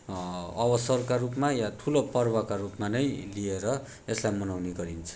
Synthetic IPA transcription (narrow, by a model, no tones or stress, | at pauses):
ʌbʌsʌrkarupmajatʰulopʌrbʌkarupmanʌjlieɾʌ | eslajmʌnawneɡʌɾint͡sʰʌ̥